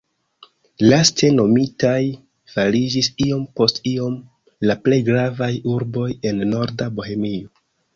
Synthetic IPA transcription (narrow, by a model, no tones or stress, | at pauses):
lastʰe̞no̞mitaj | falid͡ʒisio̞mpo̞stio̞m | laple̞jɡɾavajuɾbo̞je̞nːo̞ɾdabo̞he̞mio